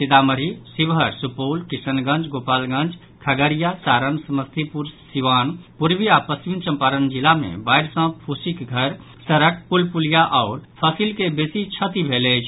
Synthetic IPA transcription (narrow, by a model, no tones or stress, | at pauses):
sit̪aməɾisibɦəɾsupoːlkisənɡə̃nt͡ʃɡopalɡə̃nd͡ʒ | kʰəɡəɾijasaɾənsəməst̪ʰipuɾsiʋanpuɾbiapəsint͡ʃə̃mpaɾənd͡ʒilamḛ̃bajɾsə̃pʰusikɡʱəɾ | səɾək̚pulpulijaʔaʊɾpʰəsilkebesit͡ʃʰət̪ibʱelet͡ʃʰ